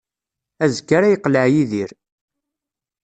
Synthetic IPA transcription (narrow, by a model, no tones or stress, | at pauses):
æzkːaɾæjəqːləʕjiðiɾ